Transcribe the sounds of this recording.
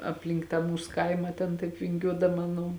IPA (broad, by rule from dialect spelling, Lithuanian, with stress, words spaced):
ɐpʲˈlʲɪŋk tɑː ˈmuːs ˈkɐɪmɐ tʲɛn ˈtɐɪp ʋʲɪŋʲˈɡʲuɔdɐmɐ ˈnʊ